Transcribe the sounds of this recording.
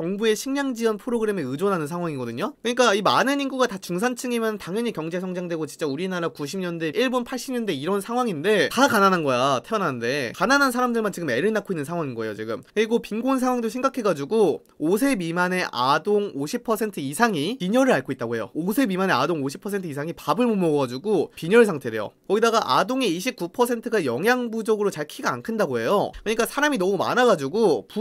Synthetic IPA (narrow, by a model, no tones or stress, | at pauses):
t͡ɕʌŋbue̞ɕʰiŋɲaŋd͡ʑiʌnpʰɯɾoɡɯɾe̞meɯd͡ʑonɦanɯnsʰaŋwaŋiɡʌdɯɲokɯɲik͈aimanɯɲinɡuɡatat͡ɕuŋs̬ʰant͡ɕʰɯŋemjʌnɯntaŋjʌɲikjʌŋd͡ʑe̞sʰʌŋd͡ʑaŋdwe̞ɡot͡ɕint͡ɕ͈auɾinaɾakuɕ̬ʰimɲʌnde̞ʔiɭbonpʰaɭɕ͈imɲʌnde̞iɾʌnsʰaŋwaŋinde̞takananɦanɡʌjatʰeʌnanɯnde̞kananansʰaɾamdɯɭmant͡ɕiɡɯme̞ɾɯɭnakʰoinːɯnsʰaŋɦwaŋinɡʌejo̰t͡ɕiɡɯmkɯɾiɡopiŋɡons̬ʰaŋwaŋdoɕʰimɡakʰe̞ɡad͡ʑuɡo | osʰe̞mimane̞ʔadoŋoɕʰipʰʌsʰe̞ntʰɯisʰaŋipiɲʌɾɯɾaɭk͈ʰoit̚t͈aɡoe̞jo̰osʰe̞mimane̞adoŋoɕ̬ʰi̥pʰʌsʰe̞ntʰɯisʰaŋipabɯɭmumʌɡʌɡad͡ʑuɡopiɲʌɭsʰaŋtʰe̞dḛjo̰kʌɡidaɡaʔa̰doŋeiɕʰip̚k͈upʰʌsʰe̞ntʰɯɡajʌŋjaŋbud͡ʑʌɡɯɾot͡ɕaɭkʰiɡa̰ːnkʰɯndaɡoe̞jo̰kɯɲik͈asʰaɾaminʌmuma̰naɡad͡ʑuɡopu